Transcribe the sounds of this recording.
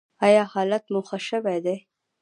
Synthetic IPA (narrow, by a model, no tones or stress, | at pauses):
ajɑhɑlat̪muxəʃəwed̪e